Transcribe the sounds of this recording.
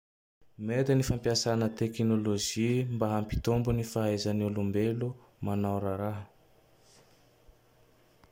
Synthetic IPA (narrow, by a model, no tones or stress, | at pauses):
med̪inifampiasanət̪eknoloʒimbaɦampi̥t̪ombunifaazanulumbelu | manawɾaɾaɦ